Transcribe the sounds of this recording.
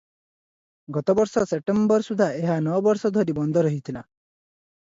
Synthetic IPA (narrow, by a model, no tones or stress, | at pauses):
ɡɔt̪ɔbɔɾsɔsep̚ʈembɔɾsud̪ʱaʔeɦanɔbɔɾsɔd̪ʱɔɾibɔnd̪ʱɔɾɔɦit̪ʰila